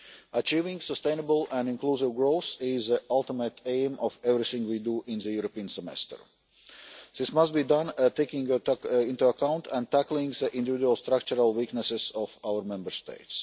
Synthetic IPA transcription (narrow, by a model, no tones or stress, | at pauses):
at͡ʃiːvɪ̃ŋɡsəst̪ẽɪnəbəlæ̃nɪ̃nkluːzɪʋɡɾoʊsɪzðəʔalˠt̪ɪmət̪ʰẽɪmɔfɛvɾiθɪ̃ŋɡwiːduʔɪ̃nðəjuɾopiə̃nsɛmɛ̰stə̰ɹ | ð̥ɪsmʌst̚biːdʌ̃nt̪eɪkɪ̃ŋɪ̃nt̪uəkʰãʊ̃ntʰæ̃nt̪æklˠɪ̃ŋɡðəʔɪ̃nd̪ɪvɪduəlˠst̪ɾak̚t͡ʃuɾalˠwiknəsɪz̥ɔfawəɾmɛ̃mbəɹst̪ḛɪts